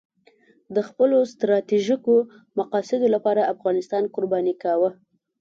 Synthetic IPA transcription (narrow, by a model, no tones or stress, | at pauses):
d̪əxpəlost̪ɾɑt̪iʒiko | maqɑsɪd̪olapɑɾaafɣɑnɪst̪ɑnkʊɾbɑnikawə